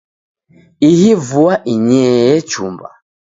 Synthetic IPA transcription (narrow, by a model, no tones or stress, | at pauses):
ihivuaʔiɲɛjɛt͡ʃṵmba̰